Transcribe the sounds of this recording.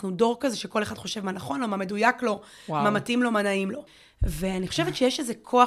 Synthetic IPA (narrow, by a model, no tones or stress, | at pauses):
χnudo̞ʁkazeʃe̞ko̞leχad̥χo̞ʃe̞vmanaχo̞nlo̞mame̞dujaklo̞ | mamatimlo̞manaimlo̞ | ve̞aniχoʃevet̪t͡ʃejeʃezekʰo̞a